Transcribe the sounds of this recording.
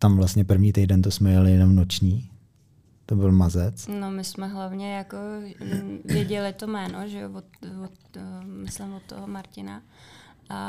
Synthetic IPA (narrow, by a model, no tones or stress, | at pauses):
t̪amvlast̪ɲɛpr̩vɲiːt̪ɛjdɛnt̪osmɛjalɪjɛno̞mnot͡ʃɲiː | t̪obɪlmazɛt͡snomɪsmɛɦlavɲɛjako̞ | vjɛɟɛlɪt̪omɛːnoʒɛovot̪vot̪mɪslɪmvot̪ːoɦomaɾcɪna̰ | ʔa